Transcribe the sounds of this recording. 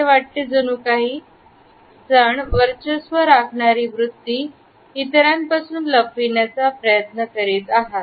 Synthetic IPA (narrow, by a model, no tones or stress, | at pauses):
eʋaʈ̚t̪ed͡zənuːkaɦiː | d͡zaɳʋəɾt͡ɕəsʋəɾakʰɳaɾiːʋɾut̪ːiː | t̪ɾjampasuːnləpːiɳjat͡sapɾəjət̪nəkəɾiːt̪aɦat